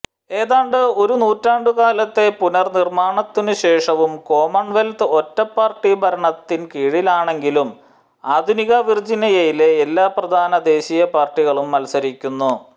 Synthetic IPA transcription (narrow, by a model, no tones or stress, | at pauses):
e̞ːðaːɳɖɨo̞ɾunuːtːaːɳɖɨkaːlɐt̪ːe̞punɐrnirmaːɳɐt̪ːinuɕe̞ːʂɐʋumko̞ːmɐɳʋelt̪ɨo̞tːɐpːaːrʈːibʱɐɾɐɳɐt̪ːinkiːɻilaːɳe̞ŋɡilum | aːd̪ʱuniɣɐʋird͡ʑinɐjɐjile̞ːlːaːprɐd̪ʱaːnɐd̪e̞ːɕijɐpaːrʈːiɣɐɭumːɐlsɐɾikʲːunːu